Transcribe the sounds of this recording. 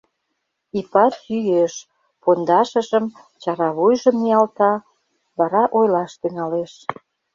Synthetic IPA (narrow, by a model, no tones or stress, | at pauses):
ipɑt̪yjeʃ | pond̪ɑʃə̆ʒə̆m | t͡ɕɑɾɑβujʒə̆mijɑlt̪ɑ | βɑɾɑʔojlɑʃt̪yŋɑleʃ